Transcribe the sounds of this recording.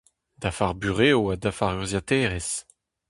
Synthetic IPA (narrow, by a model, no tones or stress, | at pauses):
d̪afaʁbyʁeːoadafaʁyʁzjat̪ɛːʁes